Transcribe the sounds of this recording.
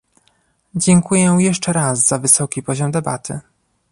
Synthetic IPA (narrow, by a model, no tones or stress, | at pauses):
d͡ʑɛŋkujɛjɛʂt͡ʂɛɾazzavɘsɔkʲipɔʑɔmd̪ɛba̰t̪ʰɘ̰